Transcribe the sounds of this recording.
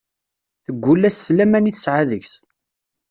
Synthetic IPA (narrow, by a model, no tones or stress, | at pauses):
θəɡʷːulːæsːlæmæniθə̥sʕaðəçs